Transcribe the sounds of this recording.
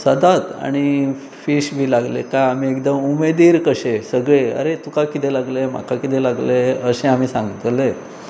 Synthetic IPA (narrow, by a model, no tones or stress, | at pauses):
səd̪ʱat̪a̰ɽ̃i | fiɕbʱiːlaɡlekaamiːekd̪əmumed̪iːɾkəɕesəɡɭeə̰ɾet̪ukakit̪elaɡlem̤a̰kakit̪elaɡleəsẽam̤iːsãŋɡt̪le